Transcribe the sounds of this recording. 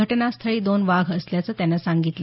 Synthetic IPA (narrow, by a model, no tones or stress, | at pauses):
əʈnast̪ʰəɭiːd̪onʋaɡʱəsljat͡səːt̪janːasaŋɡit̪lə